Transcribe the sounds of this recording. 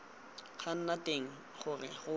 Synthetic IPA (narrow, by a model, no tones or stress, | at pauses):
χʰan̩natʼeŋ̩ | χʊrɪχʊ